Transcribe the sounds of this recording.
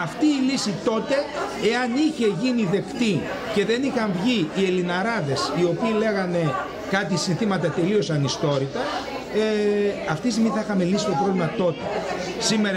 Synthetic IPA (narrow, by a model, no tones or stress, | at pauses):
ɐft̪iːlisit̪o̞t̪e̞eɐniçe̞ʝiniðe̞kt̪i | ce̞ðe̞nixɐɱvʝiie̞linɐɾɐðe̞sio̞piːle̞ɣɐne̞ | kɐt̪̬isinθimɐt̪ɐt̪e̞lio̞sɐnist̪o̞ɾit̪ɐ | eɐft̪ist̪iɣmiθɐixɐme̞lisist̪o̞pɾo̞vlimɐt̪o̞t̪e̞ | sime̞ɾɐ